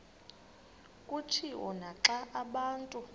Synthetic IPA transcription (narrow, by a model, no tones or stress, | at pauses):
kʼutʰiʔɔ̰naǁaʔaɓaːntʼu